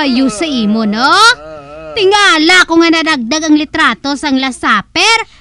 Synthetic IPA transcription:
ɐjusɐʔiːmono | t̪ɪŋaːlakoŋɐnɐd̪ɐɡ̚d̪aɡɐŋlɪt̪ɾaːt̪o̞sɐŋlɐsaːpɛɾ

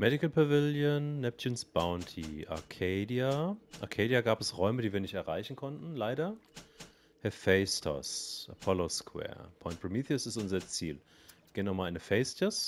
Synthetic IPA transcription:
mɛɾɪkəl̩pʰavɪljonːɛp̚t͡ʃɪnsb̥aʊntʰiʔa̰ɐkʰeɪdiaʔa̰ɐkʰeːdiaɡaːpɛsʁɔʏmədiːviːɐnɪçtɛɐʁaɪçn̩kʰɔntn̩laɪɾɐ | hɛfeɪstʰɔ̰sʔa̰pʰɔloskwɛ̰ːɐpʰɔʏ̃nt̚pʁ̥imiːθiʊsɪstʔʊnzɐt͡siːl | ɡ̥eːənɔmaːlɪnəfeɪstɐs

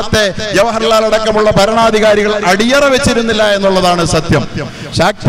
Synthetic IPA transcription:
ɐt̪ːe̞ʋjɐʋɐɦɐɾɐlaːlɐɽɐkːɐmuɭːɐpɐɾɐɳaːd̪ʱiɣaːɾiɣɐɭɐɽijɐreʋet͡ɕːiɾunːilːɐe̞nːuɭːɐðaːɳɨsɐt̪jɐm | ɕaːk̚t̪

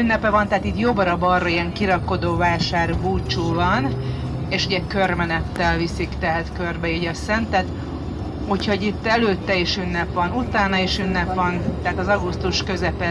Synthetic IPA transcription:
ynːɛpɛvɒnt̪ɛɦat̪iːt̪jobɒɾɒbɒroiɛŋkiɾɒkːo̞d̪oːvaːʃaːrbuːt͡ʃuːvɒn | eːʃuɟɛkø̞rmɛnɛt̪ːɛlvisikt̪ɛɦɛt̪kørbɛiːɟɒsɛnt̪ɛt̪ | hucho̞ɟit̪ːɛløːt̪ːɛiʃynːɛpʋɒnut̪aːnɒiʃynːɛpʋɒnt̪ɛɦaːt̪ɒzɒɡust̪uʃkø̞zɛpɛ

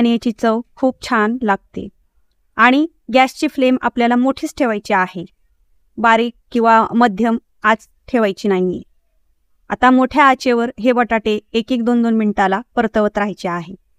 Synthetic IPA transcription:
aɽ̃ijat͡ɕiːt͡səwkʰuːp̚t͡ɕʰanlaɡ̚t̪ḛ | aɽ̃i | ɡæst͡ɕiːflema̰pljalamoʈʰiːt͡sʈʰeʋajt͡ɕeahe | baɾiːkkːĩw̃ʋaməd̪ʱjəm | ad͡z | ʈʰeʋajt͡ɕiːnajḭ | a̰t̪amoʈʰjaːt͡ɕeʋəɾɦeʋəʈaʈeːkiːk̚d̪ond̪onmiɳt̪alapəɾt̪əʋət̪ɾajt͡ɕeaɦe

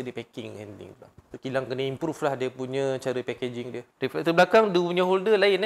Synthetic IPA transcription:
ədipɛkɪŋɛ̰ndɪ̰ŋla̰ukilaŋkənəimpɾuflahdiəpuɲə̃t͡ʃaɾəpɛked͡ʒɪŋdiəɾifɛt̪əblakaŋduuɲə̃ɦuldəlaɪn

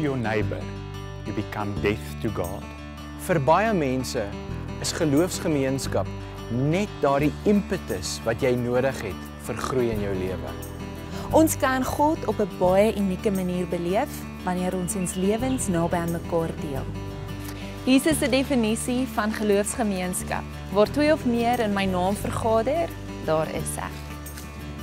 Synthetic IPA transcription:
jonɛjbə̰r | jəbikɐndɛftuɡɑ̰ːt | fərbɐjəmɛnsə | əsχəluəfsχəmiənskɐp̚ | nɛt̚dɑːrdiəmpətəsvɐtjɛjnuəɾəχɦɛt | fərχrujənjœwliəvə̰ | ʔɔnskɐnχɔtɔpəbɐjəʔynikəmɐniːrbəliəf | vɐniəɾɔnsɔnsliəvənsnɐːbɛənməkɑːrdiəlˠ | ɦiːsəsədefənisifɐnχəluəfsχəmiənskɐ̰p̚ | vɑːrtwiɔfmiəɾənməjnɑːmfərχɑːdər | dɑːɾə̰sæ̰χ

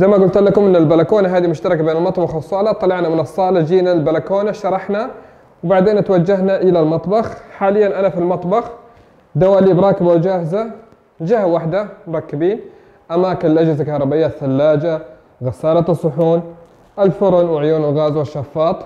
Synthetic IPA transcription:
zajmaɡʊlt̪lakʊmʔɪnːalbalakoːnaɦaːd̪imʊʃt̪ɑɾˤɑkabeːnɪlmɑt̪ˤbɑxsˤːɑːlɑt̪ˤːɑlɑʕnamɪnɑsˤːɑːlad͡ʒiːnalbalakoːnaʃɑɾˤɑħna | wbaʕd̪eːnt̪wad͡ʒːaɦnaʔɪlalmɑt̪ˤbɑxħaːlɪjːanʔanafilmɑt̪ˤbɑx | d̪awaʔliːbɾˤɑːkɪbawd͡ʒaːhɪza | d͡ʒahawaħd̪amʊɾˤɑkːɪbiːn | ʔamaːkɪnɪlʔad͡ʒɪzkɑhɾˤɑbɪjːaθːalːaːd͡ʒa | ɣasaːlasˤːʊħuːn | ʔalfʊɾˤʊnwɪʕʊjuːnɪlɣaːzwɪʃːɑfːɑːt̪ˤ

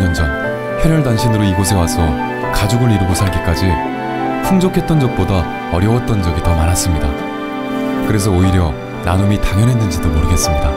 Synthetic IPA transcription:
ʌnd͡ʑʌn | ɸeɾʌɭdaŋɕʰinɯɾoiɡosʰe̞wasʰʌ | kad͡ʑoɡɯɾiɾɯɡosʰaɭɡik͈ad͡ʑi | pʰuŋd͡ʑʌkʰe̞t̚t͈ʌnd͡ʑʌk̚p͈oda | ʌɾjʌwʌt̚t͈ʌnd͡ʑʌɡitʌmaɾɦas͈ɯmɲida | kɯɾe̞s̬ʰʌoiɾjʌ | nanomitaŋjʌnɦenːɯnd͡ʑidomoɾɯɡe̞s͈ɯmɲida

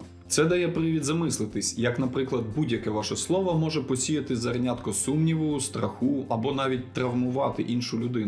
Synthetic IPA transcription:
t̪sɛd̪ɐjɛpɾɪʋʲid̪zɐmɪslˠɪt̪ɪsʲjɐknɐpɾɪklˠɐd̪̚budʲjɐkɛʋɑʃɛslˠɔʋɐmɔʒɛpɔsʲijɐt̪ɪzɐrnʲat̪kɔsumnʲiʋʊjʊst̪ɾɐxuɐbɔnɑʋʲit̚ʲt̪ɾɐʋmʊʋɑt̪ɪʔinʃʊlʲʊd̪ɪnʊ

